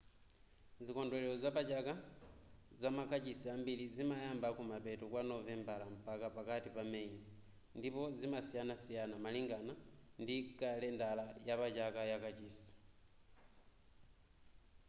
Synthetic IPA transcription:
zikondwɛlɛlozapat͡ʃaka | zamakat͡ʃisiambilizimajambakumapɛtukwanovɛmbalam̩pakapakatipameɲi | ndipozimasijanasijanamaliŋɡanandikalɛndalajaβat͡ʃakajakat͡ʃisi̥

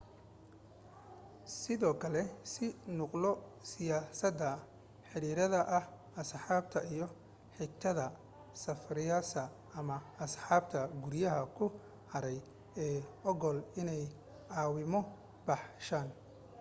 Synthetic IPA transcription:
sɪðɔːkʰɐlɛsɪnʊqlɔsɪjaːsɐd̪ɐ | ħɪɽiːɾɐðɐʔɐh | ɐsħɑːb̚t̪ʰɐijɔ | ħɪt̪ʰːɐðɐ | sɐfɾɪjasɐː | mɐːsħɑːb̚t̪ʰɐɡʊɾjɐɦɐkʰʊ | hɐɾɛj | ɛːɔɣɔlɪnɛj | ʕɑːwɪmɔ | bɑħʃaːn

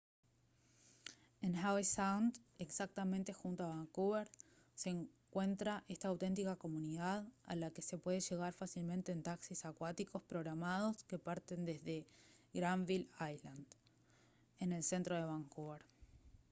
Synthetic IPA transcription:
enxawisawnd̪eksak̚t̪amẽ̞nt̪e̞xunt̪oaβaŋkuβeɾ | seːŋkwe̞nt̪ɾaʔe̞st̪aːwt̪e̞nt̪ikako̞muniðaða̰lake̞se̞pwe̞ðeʒe̞ɣaɾfasilmẽnt̪e̞ːnt̪aksisakwat̪iko̞spɾo̞ɣɾamað̞o̞ske̞paɾt̪e̞nd̪e̞zðe̞ɣɾaɱβilajland̪ | ene̞lse̞nt̪ɾoð̞e̞βaŋkuβeɾ

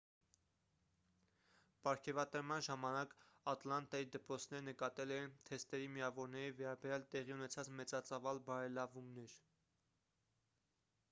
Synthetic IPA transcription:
pɑɾkʰɛvɑt̪əɾmɑnʒɑmɑnɑkɑt̪lɑnt̪ɑjid̪əpɾɔt͡sʰn̪ɛɾənəkɑt̪ɛlɛnt̪ʰɛst̪ɛɾimiɑvɔɾnɛɾivɛɾɑbɛɾjɑlt̪ɛʁiunɛt͡sʰɑt͡smɛt͡sɑt͡sɑvɑlbɑɾɛlɑvumnɛɾ

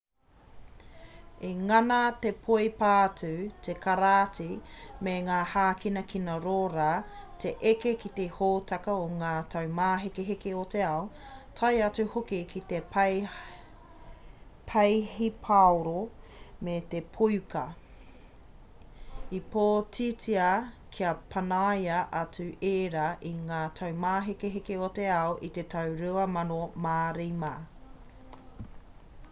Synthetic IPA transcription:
eŋɐnatepʰojpaːtʰʉtʰekaɾaːtimeŋaːhaːkinɐkʰinɐɾoːɾaːtʰeʔekekit̪ehoːtʰɐkɐoŋaːtʰɐwmaːɦekeɦekeote̞ɐo | tʰɐjɐt͡sʉhokikʰit̪ep | pʰɐjhipʰaoɾo | met̪epʰujkɐ | ipoːtʰitiɐkʰiɐpʰɐnajɐʔɐt͡sʉeːɾɐʔiŋaːtʰɐwmaːɦekeɦekeot̪eɐoʔit̪e̞tʰɐwɾʉɐmɐnomaːɾijma

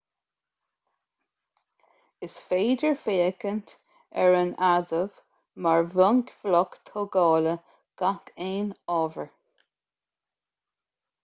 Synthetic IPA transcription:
ɪsfeːdəɹfeːəkənt̪ | ɛ̰ɹənʔaðəv | maɹvəŋkvlɔkt̪ʰɔːɡɑːlə | ɡ̥akʰeːnɔːvəɹ

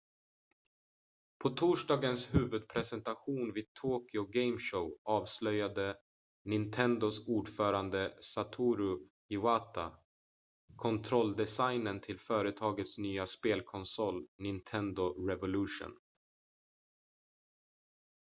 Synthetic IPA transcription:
pʰɔt̪ʰuːʂɖɑːɡənshʉ̟ːvɵd̪̚pʰɾɛsɛnt̪aɧuːnviːd̪̚t̪ʰoːkɪʊɡɛjmʂəʊʔɑːvslœjad̪ə | nɪnt̪ʰɛnd̪ʊsuːɖfœːɾand̪əsat̪ʰuːɾʊ | ɪaːt̪ʰa | kʰɔnt̪ʰɾɔld̪ɛsajnənt̪ʰɪlfœːɾət̪ʰɑːɡət̪snyːaspeːlkʰɔnsɔlːnɪnt̪ʰɛnd̪ʊɾɛvʊlʉːʂʊ̰n

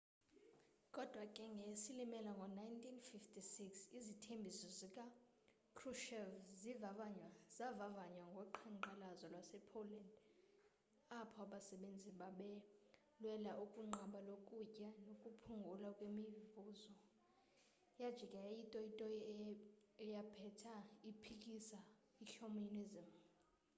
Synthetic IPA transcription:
kʼɔd̥ʱwakʼɛŋɡʱesilimɛlaŋɡʱɔnajntʼʰinfiftʰʼisiksizitʰembʱisɔzikʼa | kʰruʃɛvzivavaɲwaz̥avavaɲwaŋɡʱɔǃʰaǃalazɔlwasɛpʰoland | apʰɔaɓasɛɓend͡zʱiɓaɓɛ | lwɛlaʔukʼuŋ͡ǃʱaɓalokʼucʼanokʼupʰuŋɡʱulakʼwemivuzɔ | jad̥ʒ̥ʱikʼɛjajitʼɔitʼɔ | ɛjapʰɛtʰaipʰikʼisa | iɬominizim

